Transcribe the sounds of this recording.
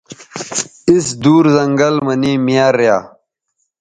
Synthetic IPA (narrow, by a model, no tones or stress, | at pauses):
isd̪uːɾzɐŋɡɐlmɐniːmijaːɾja̰ː